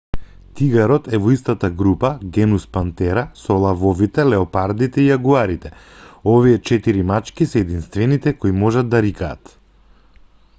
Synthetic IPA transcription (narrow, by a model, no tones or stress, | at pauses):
t̪iɡaɾɔt̪ɛvɔist̪at̪aɡɾupaɡɛnuspant̪ɛɾasɔlˠavɔvit̪ɛlɛɔpaɾd̪it̪ɛiaɡuaɾit̪ɛ | ovijɛt͡ʃɛt̪iɾimat͡ʃkisɛːd̪inst̪vɛnit̪ɛkoimɔʒad̪̚ːaɾikaːt̪